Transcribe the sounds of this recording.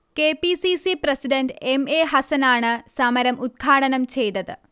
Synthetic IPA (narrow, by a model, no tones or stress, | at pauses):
keːpisisiprɐsiɖɐnɖemeːɦɐsɐnaːɳɨsɐmɐɾɐmut̪̚kʰaːɽɐnɐmt͡ɕe̞jt̪ɐðɨ̰